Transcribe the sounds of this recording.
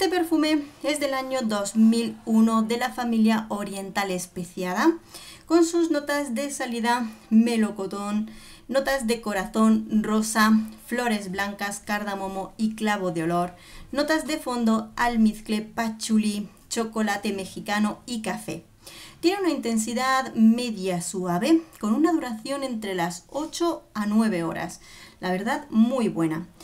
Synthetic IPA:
est̪epe̞ɾfume̞e̞zðe̞laɲo̞ðo̞zmiluno̞ðe̞lafamiljaoɾje̞nt̪ale̞speθjað̞ako̞nsuzno̞t̪azðe̞saliðame̞lo̞kot̪onː | o̞t̪azðe̞ko̞ɾaθo̞nro̞saflo̞ɾe̞zβlaŋkaskaɾðamomo̞iklaβ̞oðeo̞lo̞ɾ | no̞t̪azðe̞fo̞nd̪o̞almiθkle̞pat͡ʃuli | t͡ʃo̞ko̞lat̪e̞me̞xikano̞ikafe̞̰ | t̪je̞neunaint̪e̞ns̬iðaðme̞ðjasuaβe̞ko̞nunað̞uɾaθjo̞nẽ̞nt̪ɾe̞laso̞t͡ʃo̞anwe̞β̞e̞o̞̰ɾa̰slaβ̞e̞ɾðaðmujβwe̞na

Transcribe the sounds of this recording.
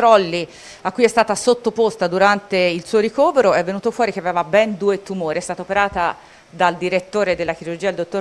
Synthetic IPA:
ɾɔlːi | akːujɛst̪aːt̪asot̪ːopost̪ad̪uɾant̪eilsuːoɾikoːveɾoɛvːenuːt̪ofwɔːɾik̟eaveːvabɛnd̪uːet̪umoːɾiɛst̪aːt̪aopeɾaːt̪a | d̪ald̪iɾet̪ːoːɾed̪elːak̟iɾurd͡ʒiad̪eld̪ot̪ːoɾ

